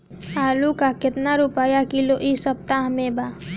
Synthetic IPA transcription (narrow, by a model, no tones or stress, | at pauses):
aːlukakɪt̪naɾupaːjakiloʔisəp̚t̪aɦmebaː